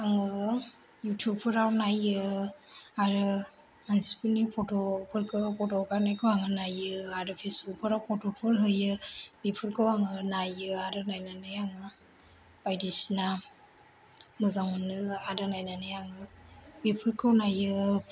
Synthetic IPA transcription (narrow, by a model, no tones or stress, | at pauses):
aŋɯ | jutʰjup̚pʰɯɾawnajɯ | aɾɯ | mansi̥punipʰotopʰɯɾkʰɯpʰɔtokaɾnajkʰɯwaŋɯnajɯaɾɯpʰesbuk̚pʰɯɾawpʰɔtɔpʰɯɾɦɯjɯb̥ipʰɯɾkʰɯwaŋɯnajɯaɾɯnajnanɯjaŋɯ | bajdisna | mɯzaŋunɯaɾɯnajnanajaŋɯbipʰɯɾkʰɯwnajɯ